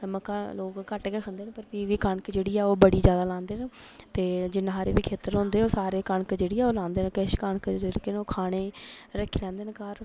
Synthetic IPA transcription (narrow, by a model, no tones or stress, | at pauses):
məkaːloːkːəʈkeːkʰə̃nd̪eːnepəɾpiːʋiːkəɳkd͡ʒeːɽiːɛːoːbəɽiːd͡ʒjaːd̪aːlãːnd̪eːnet̪eːd͡ʒɪnɦaːɾeːʋiːkʰeːt̪əɾɦʊ̃nd̪eːoːsaːɾeːkəɳkd͡ʒeːɽiːɛːoːlãːnd̪eːnẽkəʃkəɳkd͡ʒeːɽkeːnoːkʰaːɽ̃eːɾəkʰːiːlɛ̃ːnd̪eːnkaːɾ